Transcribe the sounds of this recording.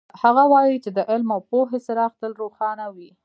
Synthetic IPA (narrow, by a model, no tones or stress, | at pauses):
haɣawɑjit͡ʃed̪əʔɪlmawpoɦesaɾaːxt̪əlɾoxɑnawi